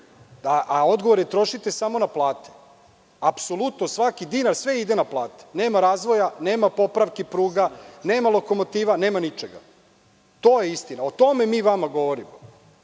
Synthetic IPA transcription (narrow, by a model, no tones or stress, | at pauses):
aʔao̞d̪ɡoʋoɾjet̪ɾo̞ʃit̪esamo̞naplˠaːt̪e̥ | apso̞lˠut̪nosʋakid̪inaɾsʋe̞id̪enaplˠaːt̪e̥neːmaɾaːzʋo̞janeːmapo̞pɾaʋkepɾuːɡaneːmalo̞ko̞mo̞t̪iːʋaneːmanit͡ʃeɡa̰ | t̪o̞ːjeist̪inaot̪o̞memiːʋamaɡo̞ʋo̞ɾimo